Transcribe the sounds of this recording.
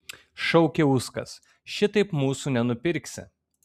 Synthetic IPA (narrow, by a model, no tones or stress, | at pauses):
ʃɔʊkʲeʊskɐ̰s | ʃʲɪt̪ɐɪpmuːsuːnʲɛnʊpʲɪɾʲksʲɪ̰